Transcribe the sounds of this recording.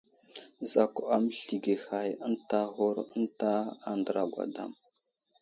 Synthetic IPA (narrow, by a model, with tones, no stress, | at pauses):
za˨ka˦m˦ɬi˨ɡe˨xa˨jə˦nta˦ɣu˦ɾə˦ntaː˦ndə˨ɾa˨ɡʷa̰˨da̰˦m